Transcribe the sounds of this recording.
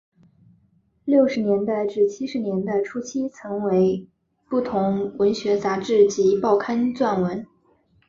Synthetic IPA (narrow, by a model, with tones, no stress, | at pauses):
ljo˥˩ʊʂɻ̩˧˥njɛ˧˥nt̪a˥˧ɪʈ͡ʂɻ̩˥˩t͡ɕʰi˥ʂɻ̩˧˥njɛ˧˥nd̪ə˧ʈ͡ʂʰu˥t͡ɕʰi˥t͡sʰɤ˧˥ŋwe˧˥ɪ | pu˥˩t̪ʰʊ˧˥ŋwə˧˥nɕɥɛ˧˥t͡sa˧˥ʈ͡ʂɻ̩˥˩t͡ɕi˧˥pɑ˥˩ʊkʰa˥nt͡swa˥˩nwə˧˥n